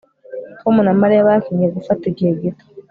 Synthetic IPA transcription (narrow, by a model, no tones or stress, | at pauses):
komunamaɾejaβakiɲeɡufatiɟeɡito̥